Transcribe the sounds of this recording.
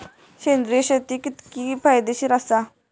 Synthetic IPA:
ɕend̪ɾijɕet̪ikit̪kipʰajd̪eɕiːɾasa

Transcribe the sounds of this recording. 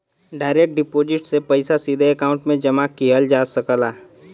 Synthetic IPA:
ɖaːɪɾek̚ʈ̚ɖɪpoːd͡ʒɪʈsepəɪsasid̪ʱeekaːʊ̃ɳʈmẽd͡ʒəmakːiɦəld͡ʒaːsəkəlaː

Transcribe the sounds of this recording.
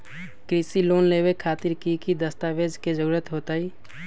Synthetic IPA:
kɾisiloːnlebekʰaːt̪iɾkikid̪əst̪aʋed͡ʒked͡ʒəɾuːɾət̪ɦoːt̪aiː

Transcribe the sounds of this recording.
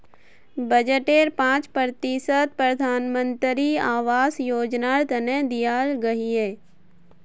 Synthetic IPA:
bəd͡ʒəʈeːɾpãːt͡ʃpɾt̪isət̪̚pɾəd̪ʱaːnmə̃nt̪ɾiaːʋaːzjoːd͡ʒnaɾt̪ɐnẽd̪ijaɾɡɐɦiɦɛː

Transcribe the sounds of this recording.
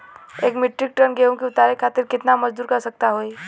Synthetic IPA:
eːkmɪʈɾɪk̚ʈənɡeũkiʊt̪aːɾekʰaːt̪ɪɾkɪt̪namɐd͡ʒd̪uːɾkɐɾsək̚t̪aɦoːi

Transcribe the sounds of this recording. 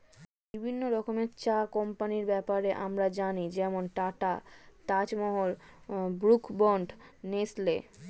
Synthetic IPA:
bibʱinːoɾɔkomeɾt͡ɕakɔmpaniɾbɛpaɾeʔamɾad͡ʑanid͡ʑɛmonʈaʈa̰t̪at͡ɕmɔɦoɾbɾukbɔɳɖnesle

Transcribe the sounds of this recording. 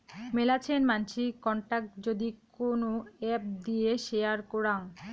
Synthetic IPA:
melat͡ɕʰenmant͡ɕʰikɔɳʈak̚ʈd͡ʑod̪ikonoɛp̚d̪ijeʃeaɾkoɾaŋ

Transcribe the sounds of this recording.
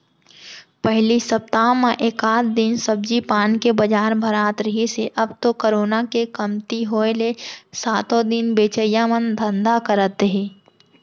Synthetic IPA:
pəɦlisəp̚t̪aːmẽʔeːkaːt̪ʰd̪ɪnsəb̚d͡ʒipaːnkebəd͡ʒaːɾbʱɐɾaːt̪ɾəɦiseʔɐbt̪okoɾoːnakekɐmt̪iɦoːelesaːt̪õd̪ɪnbeːt͡ʃəjamənd̪ʱə̃nd̪akəɾət̪eɦɛ̃ː

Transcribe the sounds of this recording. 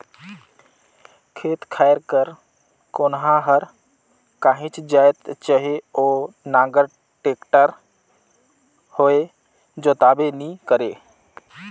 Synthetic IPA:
kʰeːt̪kʰaːjəɾkəɾ | koːnɦãɦəɾ | kaːɦĩt͡ʃd͡ʒaːjt̪t͡ʃəɦeoːnãːɡəɾ | ʈeːkʈəɾ | hoːe | d͡ʒoːt̪aːbenĩkəɾeː

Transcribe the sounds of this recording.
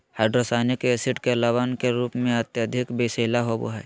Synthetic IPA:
haːɖɾosaːnekeesɪʈkelaʋaːnkeɾuːpmẽɐt̪jəd̪ʱɪkbeːseːlaɦobo̰ɦa

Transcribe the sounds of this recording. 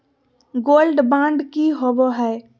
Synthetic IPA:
ɡoːlɖbãːɳɖkiɦoboɦɛː

